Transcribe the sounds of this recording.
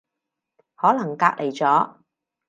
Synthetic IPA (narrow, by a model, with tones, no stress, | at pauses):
hɔː˨˥lɐ˨˩ŋkaː˧k̚lʔe˨˩jt͡sɔː˨˥